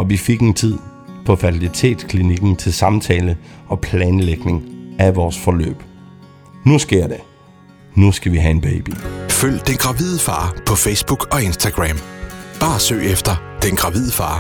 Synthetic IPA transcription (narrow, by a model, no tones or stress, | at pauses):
ɒ̽ʋife̝ɡ̥ent͡sʰið̞̰ˠ | pʰɒ̽fæt͡sʰilit͡sʰe̝̰ːd̥skʰliniɡ̥n̩t͡sʰe̝lsɑ̈mt͡sʰɛːləɒ̽pʰlɛːnleɡ̥ne̝ŋæʋɒːsfɒ̽lø̰ːb̥ | nusɡ̥e̝ɐ̰d̥e | nusɡ̥æʋiɦæe̝nb̥eɪb̥iføl̰d̥enɡ̥ʁɑ̈ʋið̞ˠəfɑ̈ːpʰɒ̽feɪsb̥uɡ̥ɒ̽e̝nsd̥æɡ̥ʁæmb̥ɑ̈ːsø̰ːefd̥ɐd̥enɡ̥ʁɑ̈ʋið̰ˠəfɑ̰̈ː